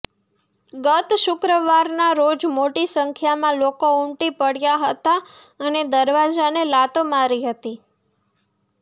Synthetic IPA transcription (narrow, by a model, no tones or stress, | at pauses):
ɡət̪ʃʊkɾəʋaɾnaɾod͡ʒmoʈisəŋkʰjamãlokoʊɳʈipəɽjaɦət̪a | əned̪əɾʋad͡ʒanelat̪omaɾiɦət̪i